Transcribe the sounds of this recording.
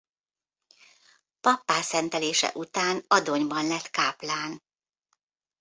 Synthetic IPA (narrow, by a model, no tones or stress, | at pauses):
pɒpːaːsɛnt̪ɛleːʃɛ̰ʔut̪aːnɒd̪o̞ɲbɒnlɛt̪kaːplaːn